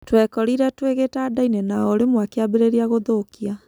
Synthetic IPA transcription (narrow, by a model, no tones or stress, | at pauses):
twɛkɔɾiɾatweɣetaːdainɛnaɔoɾemwakeabeɾeɾiaɣoðokia